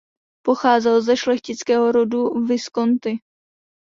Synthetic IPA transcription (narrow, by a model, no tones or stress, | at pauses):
po̞xaːzɛlzɛʃlɛxcɪt͡skɛːɦoɾo̞duvɪsko̞nt̪ɪ